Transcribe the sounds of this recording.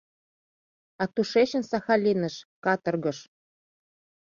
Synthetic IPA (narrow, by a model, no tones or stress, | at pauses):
ɑt̪uʃeɕə̆nsɑxɑlʲinə̆ʃkɑt̪ɤ̆rɣɤ̆ʃ